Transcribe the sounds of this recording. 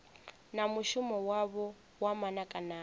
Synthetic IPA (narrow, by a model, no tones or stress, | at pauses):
namuʃumɔwaβɔ | wamanakʼanaː